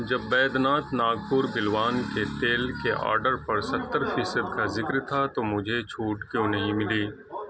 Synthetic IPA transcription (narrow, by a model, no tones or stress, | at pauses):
d͡ʒɐbːɛːd̪naːt̪naːɡ̚pʊɾbɪlʋaːnket̪eːlkeʔa̰ːɾɖəɾpɐɾsɐt̪ːəɾfiːsəd̪kazɪkɾt̪ʰat̪omʊd͡ʒʱet͡ʃʰuːʈkjõːnɐɦĩmɪliː